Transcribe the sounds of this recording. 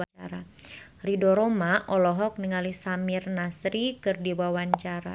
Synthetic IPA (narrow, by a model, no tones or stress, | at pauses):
aaɾaridɔɾomaʔɔlɔɦɔk̚niŋalisamirnasɾikɨrdiwawaɲt͡ʃaɾa̰